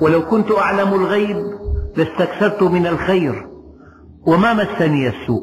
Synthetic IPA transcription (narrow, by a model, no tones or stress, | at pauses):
wɪlawkʊnt̪ʔaʕlamlɣajblɪst̪akθɑɾˤt̪ʊmɪnalxajɾ | wɪmamasːaniːasːṵːʔ